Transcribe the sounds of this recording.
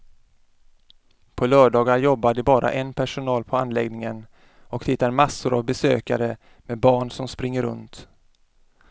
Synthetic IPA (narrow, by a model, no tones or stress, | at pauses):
pʰɔlœːɖɑːɡaɾjɔbːaɖɪbɑːɾʔa̰ʔɛnpʰæʂʊnɑːlpʰɔanlɛɡnɪŋən | ɔkt̪ʰɪt̪ːaɾmasːʊɾa̰vbɛsø̰ːkaɾə | mɛbɑːɳsɔmspɾɪŋːəɾɵ̰nt̪